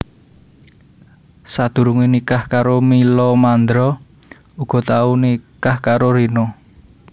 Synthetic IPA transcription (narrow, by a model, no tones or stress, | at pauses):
sad̪̥ṳɾuŋinikahkaɾomilɔmand̪ɾɔ | uɡ̥ɔ̤t̪aunikahkaɾoɾino